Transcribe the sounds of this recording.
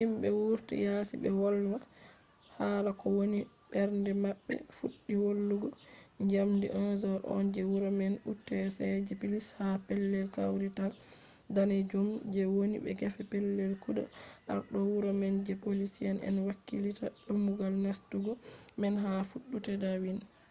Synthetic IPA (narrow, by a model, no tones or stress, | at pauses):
himbɛwuɾtḭjasḭbɛ̰wɔlwa | halakɔwoni | bɛɾndɛmaɓːɛ̰fuɗːiwolːuɡɔɲd͡ʒamdḭʔɔzaɾʔɔ̰nd͡ʒɛwuɾɔmɛnutːɛsɛd͡ʒɛpilishapɛlːɛlkawɾital | danɛd͡ʒumd͡ʒɛwonibɛ̰ɡɛfɛpɛlːɛlkudɔ̰ʔa̰ɾɗɔwuɾɔmɛnd͡ʒɛpolisijanɛ̰nwakːilitaɗomːuɡalnastuɡɔmɛnɦafuɗːutɛdawin